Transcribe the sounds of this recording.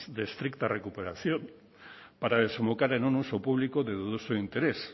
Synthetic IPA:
ðe̞st̪ɾikt̪are̞kupe̞ɾasjo̞n | paɾaðesembokaɾenonusowpuβlikoðeðuðusoint̪e̞ɾe̞s

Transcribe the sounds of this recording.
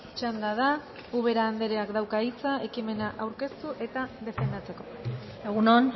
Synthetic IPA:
t͡ʃand̪aða | uβ̞e̞ɾaːnd̪e̞ɾeakd̪awkait͡sae̞kime̞naʔawɾke̞st̪uʔe̞t̪aðe̞fe̞nd̪at͡se̞ko̞̥ | eɣ̞unon

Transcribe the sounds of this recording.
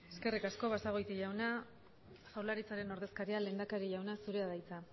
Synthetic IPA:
e̞ske̞rikasko̞βasaɣ̞o̞jt̪iʝawna | fawlaɾit͡saɾe̞no̞ɾðe̞skaɾiale̞ːnd̪akaɾiʝawnasuɾe̞aðajt͡sa

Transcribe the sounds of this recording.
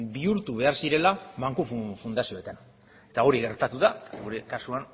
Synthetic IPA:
biuɾt̪uβe̞aɾsiɾe̞lamaŋkufufund̪asio̞et̪an | et̪ao̞ɾiɣe̞ɾt̪at̪uðaet̪aɣuɾe̞kasuan

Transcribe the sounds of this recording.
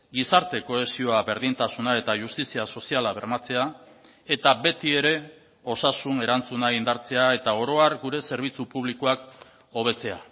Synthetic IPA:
ɡisaɾt̪e̞ko̞e̞sio̞aβe̞ɾðint̪asunae̞t̪aʝust̪isiaso̞sialaβe̞ɾmat͡se̞a | e̞t̪aβe̞t̪ie̞ɾe̞ | o̞sasune̞ɾant͡sunaind̪aɾt͡se̞ae̞t̪ao̞ɾo̞aɾɡuɾe̞se̞ɾβ̞it͡supuβ̞likoak | o̞β̞e̞t͡se̞a̰

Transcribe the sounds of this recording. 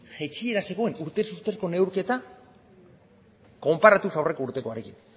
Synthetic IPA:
ʝe̞t͡ʃie̞ɾase̞ɣ̞o̞e̞nuɾt̪esust̪e̞ɾko̞ne̞wɾke̞t̪a | ko̞mpaɾat̪usawre̞ko̞uɾt̪e̞ko̞aɾe̞kin

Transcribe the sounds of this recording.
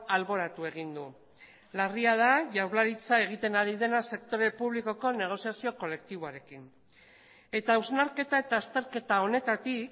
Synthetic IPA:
alβo̞ɾat̪ue̞ɣ̞ind̪u | lariað̞aʝawɾlaɾit͡sae̞ɣ̞it̪e̞naɾið̞e̞nase̞kt̪o̞ɾe̞puβ̞liko̞ko̞ne̞ɣ̞o̞siasio̞ko̞le̞kt̪iβoaɾe̞kin | e̞t̪auwznaɾke̞t̪ae̞t̪aːst̪e̞ɾke̞t̪ao̞ne̞t̪at̪ik

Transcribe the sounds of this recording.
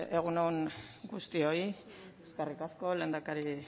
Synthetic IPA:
e̞ɣ̞unouŋɡust̪io̞i | eskarikasko̞le̞ːnd̪akaɾi

